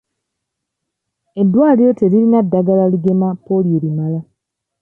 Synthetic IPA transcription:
e̞dːwaːlijoteɾilinadːaɡalaliɡe̞mapolieɾimala

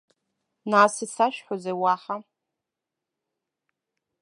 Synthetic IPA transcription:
naːsisaʃᶣħʷozejwaħa

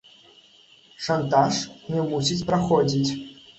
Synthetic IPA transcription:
ʂant̪aʂnʲɛmusʲit͡sʲpɾaxɔd͡zʲit͡sʲ

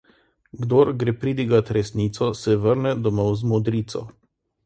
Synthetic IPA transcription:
ɡd̪oɾɡɾepɾid̪iɡat̪ɾɛsniːt̪sɔsɛʋəɾnɛd̪ɔmɔwzmɔd̪ɾiːt̪sɔ̰

